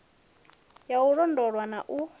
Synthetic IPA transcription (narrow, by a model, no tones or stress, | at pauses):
jauɺɔndɔɺwanaʔu